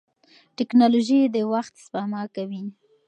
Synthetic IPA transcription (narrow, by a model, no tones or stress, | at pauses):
ʈɪknɑloʒid̪əwaxt̪spamɑkawi